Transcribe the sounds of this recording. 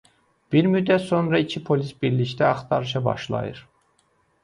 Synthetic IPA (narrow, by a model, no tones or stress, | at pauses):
b̥iɾmyd̪ːæt̪so̞nɾɑicʰipʰo̞lisbiɾlict̪æɑχt̪ʰɑɾɯʃ̬ɑbɑ̰ʃlˠɑ̰jɯ̰ɾ